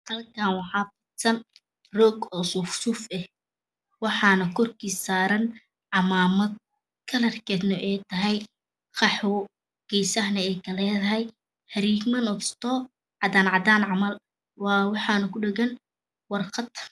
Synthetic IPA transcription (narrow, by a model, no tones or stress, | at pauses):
hɐlkʰanwɑħɑːbɪsɐn | rɔːɡɔːsʊfsʊfɛh | wɑħɑːnɐkʰɔrkʰiːsaːɾɐn | ʕɑmaːmɐd̪̚ | kʰɐlɐrkʰɛːd̪nɐʔɛjt̪ʰɐɦɛj | qɑħʊ | ɡ̥ɛjsɐɦnɐɛjkʰɐlɛːðɐɦɛj | hɐɾiːɡmɐnɔst̪ʰɔː | ʕɑd̪aːnʕɑd̪aːnʕɑmɐl | wɑːwɑħɑːnɐkʰʊɖɛɡɐn | wɑrqɑd̪